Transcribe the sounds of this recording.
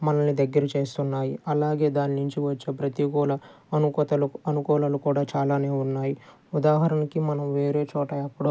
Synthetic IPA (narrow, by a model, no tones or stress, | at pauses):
mɐnɐnnid̪ɐɡːɐɾɐt͡ʃe̞ːst̪unːaːjiɐlaːɡe̞ːd̪aːninuɲt͡ʃiʋɐt͡ʃːeːpɾɐt̪iɡɔːlɐ | ɐt̪ɐɐnukɔːlɐlukuːɽaːt͡ʃaːlaːne̞ːunːaːji | ud̪aːɦɐɾɐnikimɐnɐmʋe̞ːɾe̞ːt͡ʃɔːʈɐɐpːuɽɐ